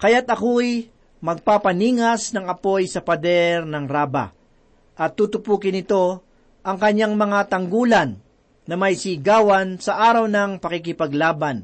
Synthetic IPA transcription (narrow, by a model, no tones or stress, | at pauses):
kɐjat̪ɐkoj | mɐɡ̚papɐniːŋɐsnɐŋɐpo̞jsɐpɐd̪ɛɾnɐŋɾaːbɐ̰ | ʔɐt̪ːuːt̪ʊpuːkɪnɪt̪o̞ | ʔɐŋkɐɲːaŋmɐŋat̪ɐŋɡuːlɐnː | ɐmɐjsiɡaːwɐnsɐʔaːɾɐwnɐŋpɐkɪk̬ɪpɐɡlaːban